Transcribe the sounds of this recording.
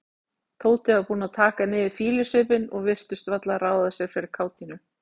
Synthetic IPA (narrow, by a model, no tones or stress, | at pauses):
t̪ʰoːw̪t̪ɪapuːnat̪ʰaːkanɪːvɪ̥fiːlɪsʏːpɪnɔɣvɪr̥t̪ʏst̪vat̪laɾaːwðasjɛɣ̥fɪːɾɪɾ̥kʰaːwt̪inʏ